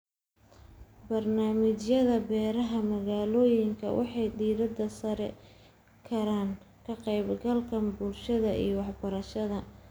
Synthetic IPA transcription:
bɐrnaːmɪt͡ʃjɐðɐbɛːɾɐɦɐmɐɣaːlɔːjɪŋkʰɐ̰wʔɑ̰ħɑjd̪iːðɐd̪ɐsɐɾɛ̰ | kʰɐɾaːŋ | kʰɐqɛjbɡɐlkʰɐbʊlʃɐðɐḭjɔwɑħbɐɾɐʃɐðɐ

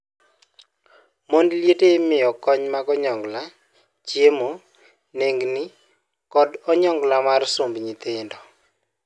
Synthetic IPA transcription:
mondljetemɪɔkɔɲmaɡɔɲɔŋɡla | t͡ʃjemo | neŋɡnɪ | kɔdɔɲɔŋɡlamarsombɲit̪ɪndɔ

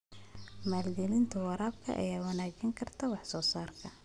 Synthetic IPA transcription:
maːlɡɛlɪnt̪ʰɐwɑɾaːb̚kʰɐ̰ʔɐ̰jaːwɑnaːɡɐŋkʰɐrt̪ʰɐwɑħsɔːsaːrkʰɐ

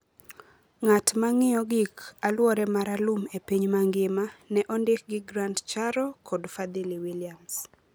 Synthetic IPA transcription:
ŋatmaŋɪjɔɡikalwɔɾɛmaɾalumepiɲmaŋɡɪmanɛʔɔndɪk̚ɡɪɡɾantt͡ʃaɾɔkʰɔdfad̪iliwiljams

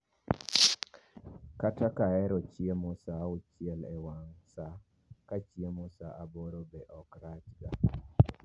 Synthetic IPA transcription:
katakaɛɾɔt͡ʃjemosaot͡ʃjelɛwaŋsa | kat͡ʃjemosaʔabɔɾobeʔɔkɾat͡ʃɡa

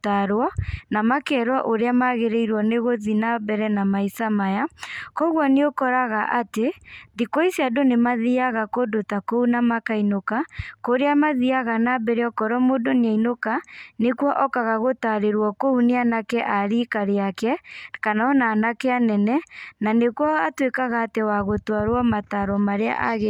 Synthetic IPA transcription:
taɾwɔnamakɛːɾwaʔoɾeamaɣeɾeiɾwɔneɣoðinabɛɾɛnamaisamajakɔɣwɔneokɔɾaɣaʔateðikoisiadonemaðiaɣakodotakounamakainokakoɾeamaðiaɣanabɛɾeɔkɔɾɔmodoneainokanekwɔʔɔkaɣaɣotaɾeɾwɔkouneanakɛʔaɾikaɾeakɛkanaɔnaːnakɛanɛnɛnanekuwɔatwekaɣaːtewaɣotwaɾwɔmataɾɔmaɾea̰ʔaɣe

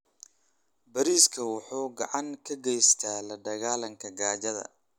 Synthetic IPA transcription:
bɐɾiːskʰɐwʊħuːɡɑʕɑŋkʰɐɡɛjst̪ʰaːlɐɖɐɣaːlɐŋkʰɐɡaːt͡ʃɐðɐ̰

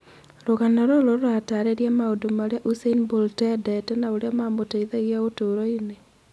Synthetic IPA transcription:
ɾoɣanaɾoɾoɾoataɾeɾjamaodomaɾeaʔuseinboltɛdɛtɛnaoɾeamamotɛiðaiɣaotoɾɔine

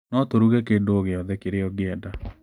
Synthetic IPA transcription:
nɔtoɾuɣɛkeːndoːɣeɔðɛkeɾeɔɡɪɛda

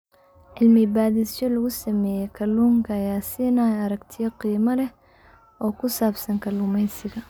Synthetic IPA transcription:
ʕɪlmɪbaːðɪsʃɔlɐɣʊsɐmɛːjɛkʰɐluːŋkʰɐːjaːsɪnɐɐɾɐɡt̪ʰɪjɐqiːmɐlɛh | ʔɔːkʰʊsaːbsɐŋkʰɐluːmɛjsɪɣɐ

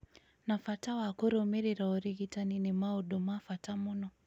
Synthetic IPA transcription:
nafatawakuɾɔmiɾiɾaɔɾiɣitaninimaɔɗɔmafatamunɔ

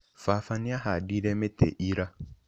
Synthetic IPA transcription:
faːfanɪ̃aɦadiɾɛmɛtɛ̰ʔiɾa

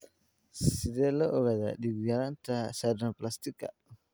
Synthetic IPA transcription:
ssideloʔoɡada̰diɡɡaɾantasadɾaplast̪ika̰

